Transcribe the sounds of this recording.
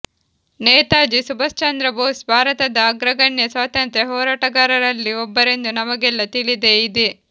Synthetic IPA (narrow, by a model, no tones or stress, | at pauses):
nɛːt̪aːd͡ʒisubɐst͡ʃɐnd̪ɾɐboːsbʱaːɾɐt̪ɐd̪ɐːɡɾɐɡɐɳjɐsʋaːt̪ɐnt̪ɾeɦɔːɾaːʈɐɡaːɾɐɾɐlːiɔbːɐɾe̞nd̪unɐmɐɡɛlːɐt̪iɭid̪eid̪e